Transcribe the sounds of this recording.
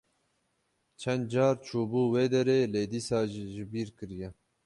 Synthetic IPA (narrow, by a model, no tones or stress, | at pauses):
t͡ʃʰɛnd̪̚d͡ʒɑːɾt͡ʃʰuːbuːweːd̪ɛɾeːleːd̪iːsɑːʒiːʒɪbiːɾkɨɾijɛ